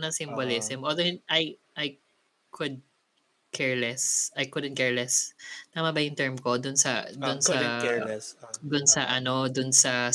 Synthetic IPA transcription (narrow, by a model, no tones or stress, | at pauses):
nɐŋsɪmbolɪsɪmʔold̪oɪnʔajʔaj | kʰʊd̪̚ | kʰɛɹlɛsʔajkʊd̪ɛn̚kɛɹlɛsnɐmɐbajɪnt̪ɛɹmkod̪ʊnsɐ̰d̪ʊnsɐ | d̪ʊnsɐʔɐno̞d̪ʊnsɐ